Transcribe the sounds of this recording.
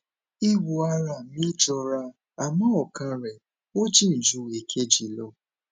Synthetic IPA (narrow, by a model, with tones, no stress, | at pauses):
i˦wu˨a˦ɾa˨mi˦d͡ʒɔ˧ɾa˧˦ | a˨mã˦ɔ˨ka˧˦ɾɛ˨ | wo˦t͡ʃi˦n̩˨d͡ʒu˨˦e˨kʰe˦d͡ʒi˨lɔ˧˦